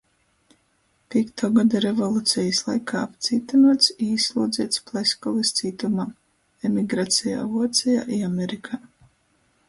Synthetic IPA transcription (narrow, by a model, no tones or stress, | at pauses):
pʲiɛkt̪ʰɔːɡad̪aɾevɔlˠut̪sʲɛjislˠajkʰaːapt̪siːt̪anuɔt̪sislˠuːd̪zʲiɛt̪splˠɛskɔlˠist̪siːt̪umaː | ɛmiɡɾaːt̪sʲija̰ːvuɔt̪sʲɛja̰ːʔiamʲɛɾikʰaː